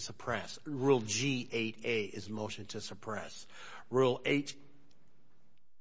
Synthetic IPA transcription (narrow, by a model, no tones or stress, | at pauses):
səpʰɹ̥ɛsɹul̩ˠd͡ʒiʔeɪɾeɪʔɪzmoʊʃɨ̃ntʰɨsɨpʰɹ̥ɛs | ɹulˠeɪt͡ʃ